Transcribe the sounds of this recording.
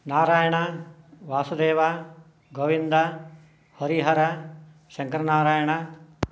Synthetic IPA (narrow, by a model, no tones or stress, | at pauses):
naːɾaːjɐɳ̃ɐ | ʋaːsud̪eːʋa | ɡoʋind̪ɐ | hɐɾiɦɐɾɐ | ʃɐŋkɐɾɐnaːɾaːjɐɳɐ